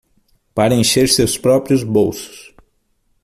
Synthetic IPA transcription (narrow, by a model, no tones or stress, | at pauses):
paɾɐẽʃeɾsewspɾɔpɾijʊzbowsʊ̥s